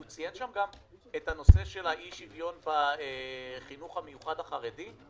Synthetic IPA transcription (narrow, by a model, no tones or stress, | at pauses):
ut͡sijenʃamɡam | ethano̞se̞ʃe̞lhaʔiʃivjo̞nbaeχinuχhamejuχadaχaʁedi